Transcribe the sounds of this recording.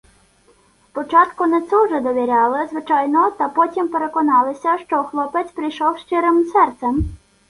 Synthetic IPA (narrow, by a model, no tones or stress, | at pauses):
spɔt͡ʃɑt̪kʊnɛt̪sɛwʒɛd̪ɔʋʲiɾʲɑlˠɪzʋɪt͡ʃɑjnɔt̪ɐpɔtʲimpeɾekɔnɑlˠɪsʲɐʃt͡ʃɔxlˠɔpet̪sʲpɾijʃɔwʃt͡ʃɪɾɪmsɛrt̪sɛm